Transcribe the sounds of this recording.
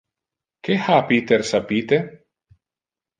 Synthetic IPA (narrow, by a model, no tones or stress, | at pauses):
kexapiːt̪ersapiːt̪e